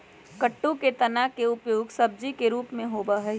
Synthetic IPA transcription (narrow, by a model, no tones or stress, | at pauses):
kɐʈːõket̪ɐnakeʊpjoːɡsɐb̚d͡ʒikeɾuːpmẽɦoːbaɦɛ